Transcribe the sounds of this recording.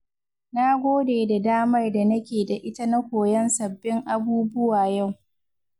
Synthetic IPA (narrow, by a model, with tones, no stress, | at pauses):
na˦ɡʷoː˦deː˨da˨daː˦mɐ˦rda˨nɐ˦kʲeː˨da˨ʔɪ˦ta˦nɐ˦kʷoː˨jɐ˦nsɐ˨bːɪ˦ŋʔa˨buː˦bʊ˦waː˨ja˦˨w